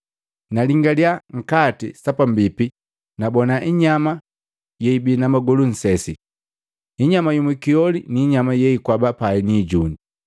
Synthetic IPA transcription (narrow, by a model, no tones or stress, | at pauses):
naliŋɡaljaŋ̩katisapambipi | nabɔnaʔiɲama | jɛibinamaɡɔlun̩sɛsi | iɲamajumwɛkiɔliniːɲamajɛikwabapainiːɟuni